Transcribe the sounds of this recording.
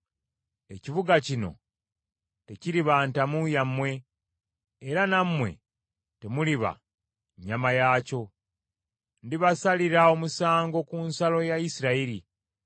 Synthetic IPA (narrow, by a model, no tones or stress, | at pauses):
e̞ciβuɡacino̞̰ | te̞ciɾiβaːntamujamwe̞ː | ɾanamwe̞̰ | te̞muliβa̰ | ɲːamajaːco̞ | ndiβasaliɾao̞musaːŋɡo̞kunsalo̞jaisiɾaiɾi